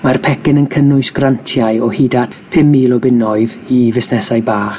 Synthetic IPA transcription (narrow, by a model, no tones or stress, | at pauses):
marpʰɛkɪnənkʰənʊɨsɡ̥rantʰjaɨɔhidatpʰɪmːiːlɔbɪnɔɨðivɪsnɛsajbaːχ